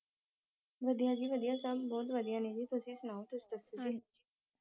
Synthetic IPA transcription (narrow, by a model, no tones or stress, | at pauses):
ʋəd̪ijãːd͡ʒiːʋəd̪ijãːsəbːɔːt̪̬ʋəd̪ijãːnẽːd͡ʒiːt̪ʊsĩːsʊnaːõt̪ʊst̪əsud͡ʒiː